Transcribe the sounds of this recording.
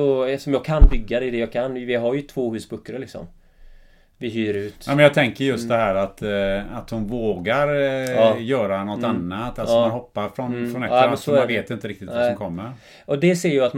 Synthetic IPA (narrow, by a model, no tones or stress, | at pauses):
ɔsɔmjɑːɡ̚kʰanbʏɡːad̪ɛd̪ɛjɑːɡkʰanvɪɦaɾjɵt̪ʰvoːhʉ̟ːsbɵkːɾəlɪksɔ̰m | vɪɦyːɾʉ̟ːt̪jɑːmɛnjɑːt̪ʰɛŋkəɾjɵst̪d̪ɛɦæːɾat̪at̪hʊnvoːɡaɾ | jœːɾanɔt̪ːanːat̪ːalɔɔmanhɔpːaɾfɾɔnfɾɔnɛɾasɔaveːt̪ɪnt̪əɾɪk̚t̪ɪt̪vasɔmkʰɔmːəɾ | ɔd̪ɛseːɾjɯat̪m